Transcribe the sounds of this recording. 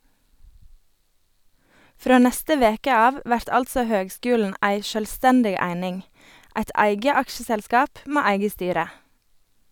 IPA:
ˈfɾoː ˈnɛstə ˈʋeːkə ˈɑːʋ ˈʋæɾt ˈɑltsɔ ˈhøːɡˌskʉːln̩ ˈæɪ ʃœlˈstɛndɪɡ ˈæɪnɪŋ ˈæɪt ˈæɪɡə ˈɑkʃəˌsɛlskɑːp ˈmeː ˈæɪɡə ˈstyːɾə

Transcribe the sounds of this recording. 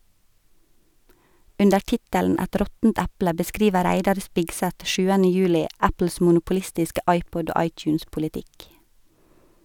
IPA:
ˈʉndə ˈʈɪtæln ˈæt ˈɾɔtn̩t ˈæplə bəˈskɾiːʋə ˈɾæɪdɑɾ ˈspɪɡsæt ˈʃʉːənə ˈjʉːlɪ ˈæpl̩s mʊnʊpʊˈlɪstɪskə ˈʔɑɪˌpɔd ˈoː ˈɑɪˌtjʉːnspʊlɪˌtɪk

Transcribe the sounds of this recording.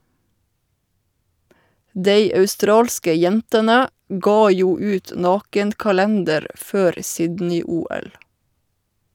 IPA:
ˈdeɪ ɑʉˈstɾɑːlskə ˈjɛntənə ˈɡɑː ˈjuː ˈʉːt ˈnɑːkən kɑˈlɛndəɾ ˈføːɾ ˈsɪdnɪ ˈuːˌɛl

